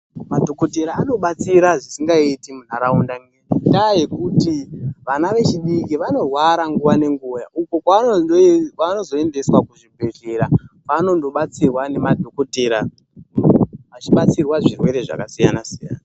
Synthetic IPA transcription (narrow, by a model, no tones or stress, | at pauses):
madʱo̞ko̞teɾaːno̞ɓat͡siɾaʐisiŋɡaitimun̤aɾaundaŋedaje̞kutiʋanaʋe̞t͡ʃiɗikiʋano̞rwaɾaŋɡuʋane̞ŋɡujaʔuko̞ka | kwano̞zo̞e̞nde̞swakuʐibʱe̞ʒe̞ɾapano̞ndo̞ɓat͡sirwane̞madʱo̞koteɾa | ʋat͡ʃiɓat͡sirwaʐirwe̞ɾe̞ʐa̰kasijanasija̰ːna